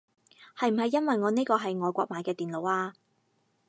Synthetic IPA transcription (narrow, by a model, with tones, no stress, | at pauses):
hɐ˨jm̩˨˩ɦɐ˨jːɐ˥nwɐ˨jŋɔː˨˧ne˥jkɔː˧ɦɐ˨jŋɔː˨jkʷɔː˧k̚maː˨˧jkɛː˧t̪iː˨nlo˨˧waː˧